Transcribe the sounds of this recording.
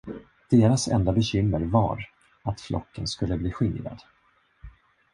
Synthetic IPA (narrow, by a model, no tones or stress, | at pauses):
d̪̥eːɾasɛ̰nd̪abɛɕʏmːəɾva̰ɾ | at̪flʔɔ̰kːənskɵlːəbliːɧɪnɾa̰d̪̥